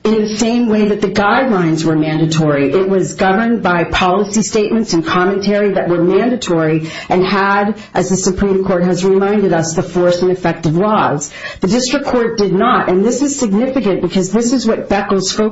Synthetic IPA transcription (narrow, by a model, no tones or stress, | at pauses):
ɨ̃nðɨsẽɪ̃mweɪðɨt̪̚ðɨɡaɪdˡlãɪ̃nzwə˞mæ̃ndɨtʰɔɹiʔɪʔ̚wʌzɡʌvə̃˞nbaɪpʰɑlˠəsisteɪt̚mɨ̃n̩tsɨ̃n̩kʰɑmɨ̃ntʰɛɹiðɨʔ̚wə˞mæ̃ndɨtʰɔɹi | ʔɨ̃nəɾ | ʔɨzðɨsɨpʰɹ̥ĩmkʰɔɹt̚ɦɨzɹɨmãɪ̃ndɨɾʌsðəfɔɹsɨ̃nɨfɛk̚tɨvlɔz̥ | ðɨdɪstɹ̥ɨkʰːɔɹt̚d̥ɨdⁿnəɾʔɨ̃nðɪsɨz̥sɨɡ̚nɪfɨkɨ̃nb̥ɨkʰʌzðɪsɨzwʌt̚b̥ɛkl̩ˠz̥foʊ